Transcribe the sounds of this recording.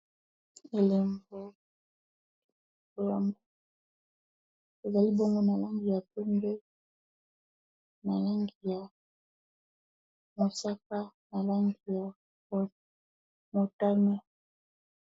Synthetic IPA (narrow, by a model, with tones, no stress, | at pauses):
e˨le˨mbo˨ | o˨ja˨mbo˦ | e˨za˨li˦bo˦ŋɡo˦na˨la˦ŋɡi˨ja˨pe˦ŋɡe˦ | na˨la˦ŋɡi˨ja˨ | mo˨sa˦ka˦na˨la˦ŋɡi˨ja˨ | mo˨ta˦na˦